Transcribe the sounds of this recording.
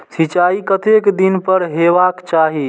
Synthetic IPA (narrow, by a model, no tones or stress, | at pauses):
sit͡ʃaikət̪ekd̪inpəɾɦebakt͡ʃaɦi